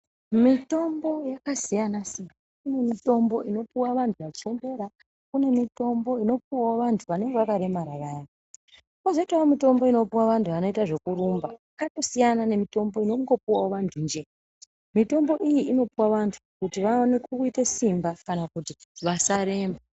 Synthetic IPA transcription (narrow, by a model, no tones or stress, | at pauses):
mito̞mbo̞jakasijanasimbakune̞mito̞mbo̞ʔino̞puwaʋantʰuʋat͡ʃie̞mbe̞ɾa | kune̞mito̞mbo̞ino̞p̚uwawoʋantʰuʋane̞ŋɡeʋakaɾe̞maɾaraːja | kozoitawomito̞mbo̞ino̞piwaʋantʰuʋano̞itaʐe̞kuɾumbaakato̞sijanane̞mito̞mbo̞inoŋɡo̞puwawoʋantʰund͡ʒe̞ | mito̞mbo̞ʔijiino̞piwaʋantʰu̥kutiʋaonekuitesimbakanakutiʋasaɾe̞ːmba